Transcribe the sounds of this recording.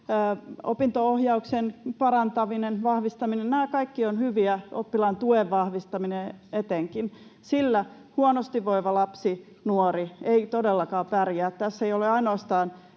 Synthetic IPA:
o̰pint̪oohjɑuksenpɑɾɑnt̪ɑʋinenʋɑhʋist̪ɑminennæːkɑikːionhyʋiæopːilɑnt̪ueʋʋɑhʋist̪ɑmineet̪eŋkin | silːæ | huonost̪iʋːoiʋɑlɑpsi | nuoɾieit̪odelːɑkɑːpærjæːt̪t̪æsːeioleɑinoɑst̪ɑːn

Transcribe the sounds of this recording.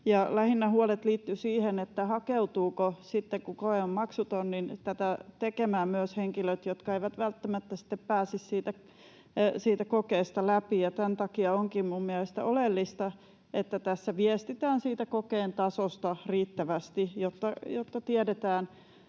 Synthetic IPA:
jɑlæhinːæhuolet̪liːt̪ːysiːhenet̪ːæhɑkeut̪uːkosit̪ːeŋkukoeommɑksut̪onnint̪æt̪æt̪ekemæːmmyøsheŋkiløt̪jot̪kɑeiʋæt̪ʋælt̪ːæmæt̪ːæsi̥t̪ːeppæːsissiːt̪æ | siːt̪ækokeːst̪ɑlæpijɑt̪ænt̪ɑkiɑoŋkimmummiælest̪æ̰ʔolelːist̪ɑ | et̪ːæt̪æsːæʋiɛst̪it̪æːnsiːt̪ækokeːnt̪ɑsost̪ɑriːt̪ːæʋæst̪ijot̪ːɑjot̪ːɑt̪iɛdet̪æːn

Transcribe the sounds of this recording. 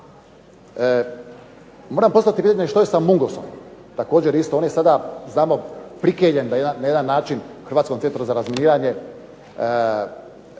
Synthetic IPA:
moːɾamposat̪ipiːt̪aɲeʃt̪ojesamuŋɡoso̰m | t̪akoːd͡ʑeɾist̪ooːnjesad̪aznaːmopɾikeʎend̪ajeajed̪anːaːt͡ʃinxrɾʋat̪komt̪ent̪ɾuzaɾazminiːɾaɲe̞

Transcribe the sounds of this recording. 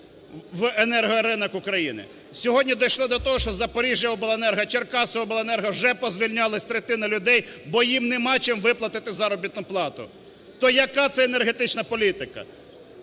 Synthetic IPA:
ʋenɛrɦɔɾɪnɐkʊkɾɐjinɪ̰ | sʲɔɦɔdʲnʲid̪ɔjʃlˠɔd̪ɔt̪ɔɦɔʃt͡ʃɔzɐpɔɾʲiʒjɐɔbʊlˠaenɛrɦɐt͡ʃerkɑsɔɦɔbʊlˠaenɛrɦɐʒɛpɔzʲʋʲilʲnʲɑlˠɐsʲt̪ɾet̪ɪnɐlʲʊd̪ɛjbɔjimnemɑt͡ʃɪmʋɪplˠɐt̪ɪt̪ɪzɑɾɔbʲit̪nʊplˠɑt̪ʊ̰ | t̪ɔjɐkɑt̪sɛɛnerɦet̪ɪt͡ʃnɐpɔlʲit̪ɪkɐ̰

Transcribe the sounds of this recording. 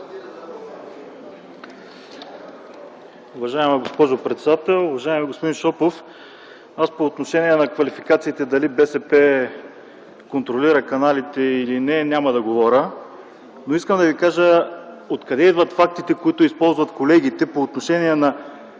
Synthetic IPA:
ʊvɐʒaɛmɛɡospɔʒopɾɛt̪sɛd̪at̪ɛlˠʊvɐʒaɛmɛɡospʊd̪inʃɔpof | aspoːt̪noʃɛniɛnɐkvɐlifikat̪siːt̪ɛd̪ɐlibɛsɛpɛ | kont̪ɾoliɾəkɐnalit̪ɛilinɛnʲamɐd̪ɐɡovɔɾʲə | noiskəmd̪ɐvikaʒə | ot̪kɐd̪ɛid̪vɐt̪fak̚t̪it̪ɛkoit̪ʊispɔlˠzvɐt̪kolɛɡ̟it̪ɛpoːt̪noʃɛniɛnɐ

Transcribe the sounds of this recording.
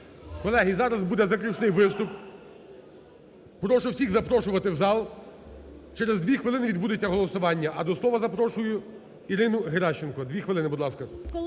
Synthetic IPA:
kɔlˠɛɦizɑɾɐzbud̪ɛzɐklʲʊt͡ʃnɪjʋɪst̪ʊp | ɾɔʃʊwsʲiɣzɐpɾɔʃʊʋɐt̪ɪwzɑlˠ | t͡ʃɛɾezd̪ʋʲixʋɪlˠɪnɪʋʲid̪̚bud̪ɪt͡sʲːɐɦɔlˠɔsʊʋɑnʲːɐʔɐd̪ɔslˠɔʋɐzɐpɾɔʃʊjʊ | iɾɪnʊɦeɾɑʃt͡ʃenkɔd̪ʲʋʲixʋɪlˠɪnɪbʊd̪lˠɑskɐ

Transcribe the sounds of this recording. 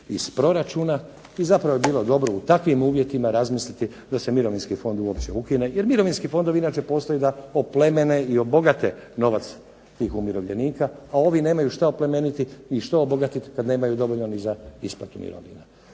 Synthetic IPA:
ispɾo̞ɾat͡ʃuːna | izapɾaʋoebiːlˠo̞d̪o̞bɾo̞ut̪akʋimuːʋje̞t̪imaɾazmislit̪i | d̪asemiɾo̞ʋinskifo̞nd̪uo̞pt͡ɕe̞ukine̞je̞ɾmiɾo̞ʋinskifo̞nd̪o̞ʋinaːt͡ʃe̞po̞ːst̪ojid̪aople̞me̞neio̞bo̞ɡat̪e̞no̞ʋat̪s | t̪iːxumiɾo̞ʋʎḛniːkaao̞ʋine̞ːmajuʃt̪aople̞me̞nit̪iiʃt̪oobo̞ɡat̪it̪kad̪ne̞ːmajud̪o̞ʋo̞ʎnonizaisplat̪umḭɾo̰ʋḭna

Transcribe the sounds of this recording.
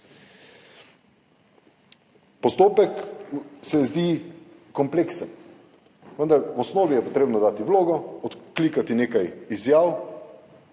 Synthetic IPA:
pɔst̪oːpɛksɛzd̪iː | kɔmpleːksən | ʋənd̪aɾwɔsnoːʋijɛpot̪ɾeːbnɔd̪aːt̪iʋloːɡɔɔt̪kliːkat̪ineːkajizjaːw

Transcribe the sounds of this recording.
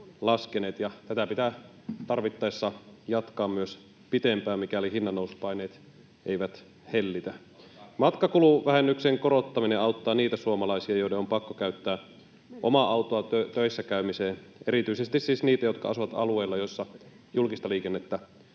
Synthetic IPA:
lɑskeneːt̪jɑt̪æt̪æpit̪æ | t̪ɑrʋit̪ːɑesːɑjɑt̪kɑːmmyøs | pit̪empæːmmikælihinːɑnːouspɑineːt̪ | ʔeiʋæt̪ | helːit̪æ | mɑt̪kɑkuluʋæhenːykseŋkoɾot̪ːɑmineʔɑut̪ːɑːniːt̪æsuomɑlɑisiɑjoideompɑkːokæyt̪ːæː | ʔomɑʔɑwt̪oɑøt̪øisːækæymiseːneɾit̪yisest̪isːisniːt̪æjo̞t̪kɑ̰ɑ̰suʋɑt̪ɑ̰lueilːɑjosːɑ | julkist̪ɑliːkenːet̪ːæ

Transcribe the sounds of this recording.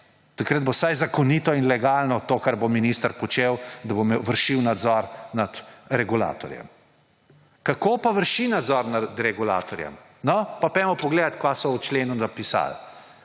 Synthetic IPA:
t̪ɐkɾəd̪bosajzakɔnit̪ɔinlɛɡaːlnɔt̪okaɾbominist̪əɾpɔt͡ʃewd̪abomeʋəɾʃiwnad̪zɔɾnad̪ɾɛɡula̰ːt̪ɔ̰ɾjɛ̰m | kakopaʋəɾʃinad̪zɔɾnad̪ɾɛɡula̰ːt̪ɔɾjɛ̰m | nɔpapɛmɔpɔɡleːd̪at̪kʋasɔwt͡ʃleːnunapisa̰l

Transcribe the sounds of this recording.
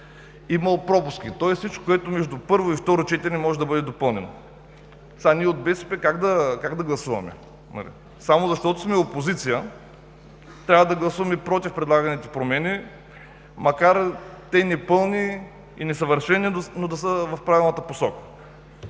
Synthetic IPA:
imɐlˠpɾɔpʊsk̟it̪ɔɛssit͡ʃko̥koɛt̪ʊmɛʒd̪upɤɾvoift̪ɔɾot͡ʃɛt̪ɛnɛmɔʒɛd̪ɐbɤd̪ɛd̪opɤlˠnɛno̰ | saniɛod̪̚bɛsɛ̥pɛkaɡd̪ɐkaɡd̪ɐɡlˠɐsuvɐ̰mɛ̰ | nɐ̰lḭ | samozɐʃt̪ɔt̪ʊsmɛopozit̪sijə | t̪ɾʲavəd̪ɐɡlˠɐsuvɐmɛpɾɔt̪ifpɾɛd̪lˠaɡɐnit̪ɛ̥pɾomɛni | mɐkaɾt̪ɛnɛpɤlˠni | inɛsɐvəɾʃɛnːinod̪ɐsəvɐfpɾavilˠnət̪əposɔkə̥

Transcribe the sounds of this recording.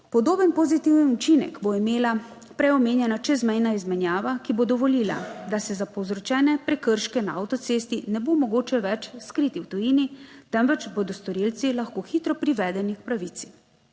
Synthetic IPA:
pɔd̪oːbənpɔzit̪iwnnut͡ʃinɛ̰kboimeːla | pɾɛɔmeːnjɛnat͡ʃɛzmɛjnaizmɛnjaːʋakibod̪ɔʋɔliːla̰d̪asɛzapɔwzɾɔt͡ʃɛːnɛpɾɛkəɾʃkɛnaa̰wt̪ɔt̪seːst̪inɛbomɔɡoːt͡ʃɛʋɛt͡ʃskɾiːt̪iwt̪ujinit̪ɛmʋɛt͡ʃbod̪ɔst̪ɔɾilt̪silaxkoːxiːt̪ɾɔpɾiʋɛd̪ɛnikpɾaʋit̪si̥

